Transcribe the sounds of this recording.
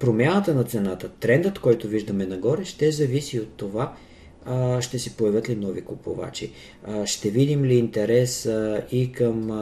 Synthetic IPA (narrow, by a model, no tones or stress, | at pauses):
pɾomʲjanət̪ənɐt̪sɛnat̪ət̪ɾɛnd̪ət̪kɔjt̪oviʒd̪əmɛnɐɡɔɾɛʃt̪ɛzɐvisiot̪ːova | ʃt̪ɛsɛpoɐvʲɤt̪linɔvikʊpo̰va̰t͡ʃḭ | ʃt̪ɛvid̪imliːnt̪ɛɾɛsikəm